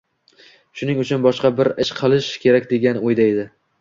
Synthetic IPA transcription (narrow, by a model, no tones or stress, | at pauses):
ʃʊnɪŋʊt͡ʃʰʊnbɒʃqɑbɪɾɪʃqʰɨlˠɪʃkʲʰe̞ɾakʲd̪e̞ɡʲanɪojd̪ajd̪ɪ